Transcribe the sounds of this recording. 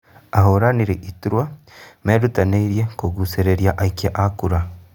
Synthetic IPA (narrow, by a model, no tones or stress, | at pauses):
aɦoɾaniɾiʔituɾwa | meɾutaneiɾjekoɡuseɾeɾjaʔaikeʔakuɾa